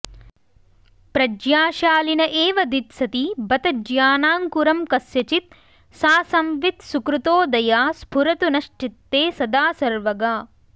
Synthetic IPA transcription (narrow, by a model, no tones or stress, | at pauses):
pɾɐd͡ʒjaːʃaːlinɐʔeːʋɐd̪it̪sɐt̪ibɐt̪ɐd͡ʒjaːnaːŋkuɾɐmkɐsjɐt͡ʃit̪̚ | saːsɐmʋit̪sukɾut̪oːd̪ɐjaːspʰuɾɐt̪unɐʃʈit̪ːeːsɐd̪aːsɐɾʋɐɡaː